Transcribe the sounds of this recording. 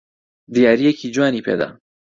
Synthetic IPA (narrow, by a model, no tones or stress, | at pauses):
d̪ijaːɾijɛkʰid͡ʒwaːnipʰḛːd̪a̰